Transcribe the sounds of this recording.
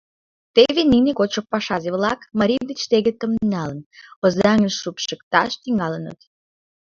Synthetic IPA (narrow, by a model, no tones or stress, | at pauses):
t̪eβeninekot͡ɕok̚pːɑʃɑzeβlɑkmɑɾʲijd̪ət͡ɕt̪eɣet̪əmnɑlənozɑŋəʃʃupʃəkt̪ɑʃt̪iŋɑlənə̰t̪